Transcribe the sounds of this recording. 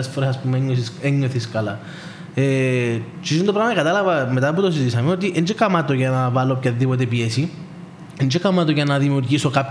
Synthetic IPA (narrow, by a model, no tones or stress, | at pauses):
ɐsfoɾeɐspumeɲoeɲːoθiskɐlɐ̰ | e | t͡ʃisint̪opɾamɐikɐt̪ɐlɐvɐmet̪ɐput̪os̬izisɐmeot̪̬iʔend͡ʒekɐmɐt̪oʝɐnɐvɐlop̚cɐðːipot̪̬epiesi | end͡ʒekɐmɐt̪̬oʝɐnɐðimiuɾʝisokap